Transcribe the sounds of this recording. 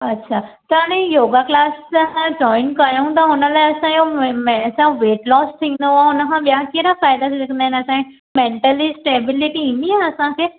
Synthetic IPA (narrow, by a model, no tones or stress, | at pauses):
ɐtːʃʰaːt̪ɐɽ̃ẽjoːɡaklaːsd͡ʑɔːɪnkɐjũːnd̪aɦʊnə̆laːɪɐsãjomesãʋeːʈlɔːst̪ʰĩːn̆d̪oɦaːʊnəkʰãːɓijakiːɾafaːɪd̪asẽɪknd̪aːɦɪnɐsãkẽ | mẽːɳʈəlisʈeːbɪlɪʈiĩːn̆d̪iɦãɐsãkeː